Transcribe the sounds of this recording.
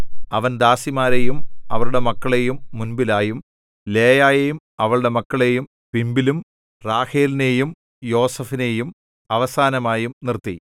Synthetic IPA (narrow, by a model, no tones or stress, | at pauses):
ɐʋɐnd̪aːsimaːɾejumɐ̰ʋɐɭuɽe̞mɐkːɐɭe̞jumːunbilaːjum | le̞ːjaːjejum | ɐʋɐɭuɽe̞mɐkːɐɭe̞jum | pimbilum | raːheːlnejum | jo̞ːsɐfine̞jum | ɐʋɐsaːnɐmaːjumnirt̪ːi